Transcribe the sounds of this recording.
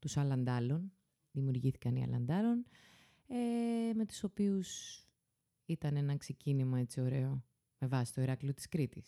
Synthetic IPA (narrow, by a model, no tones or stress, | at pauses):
t̪usɐlɐnd̪ɐlo̞n | ðimiuɾʝiθi̥kɐniɐ̰lɐ̰nd̪ɐlo̞n | eme̞t̪u̥so̞pius | it̪ɐne̞nɐkse̞cinimɐe̞t͡sio̞ɾe̞o̞ | me̞vɐsi̥st̪oiɾɐklio̞t̪i̥skɾit̪is